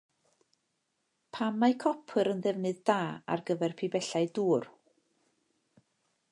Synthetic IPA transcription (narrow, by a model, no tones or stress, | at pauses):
pʰamːaɨkʰɔpʰəɾənðɛvnɨðdaːa̰rɡəvɛrpʰibɛɬaɨduːr